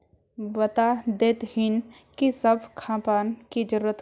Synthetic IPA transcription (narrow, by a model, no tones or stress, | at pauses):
bɐt̪ad̪eːt̪hin | kisɐbʱkʰãːpaːnkid͡ʒəɾuɾət̪